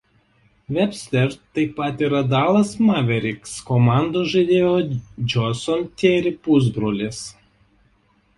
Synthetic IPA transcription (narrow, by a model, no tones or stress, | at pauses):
ʋʲɛpʲsʲt̪ʲɛɾt̪ːɐɪpːɐt̪iːɾɐd̪ɑːlˠɐsmɑʋʲɛɾʲɪkskɔmɑˑnd̪oːʒɐɪd̪ʲeːjod͡ʒʲɔsʲɔnt̪ʲeːɾʲɪpʊzbɾolʲɪs